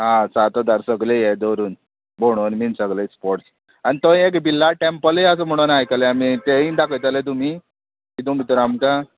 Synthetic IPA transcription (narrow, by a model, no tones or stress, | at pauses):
ɦãsat̪ad̪aɾsəɡlejed̪oɾuːn | boɽ̃onmiːnsəɡləspoɾs | anit̪õĩekbilːaʈempəleəs̬əm̤əɽ̃unajkəleamit̪eĩd̪akʰəjt̪alet̪̬um̤iː | kit̪umit̪uɾamka